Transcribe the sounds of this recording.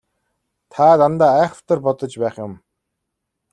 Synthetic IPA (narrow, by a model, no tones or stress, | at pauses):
t̪ʰaːt̪ant̪aːæːχə̥ft̪ə̆rpɔt̪ɞ̆t͡ɕpæːχjʊ̆m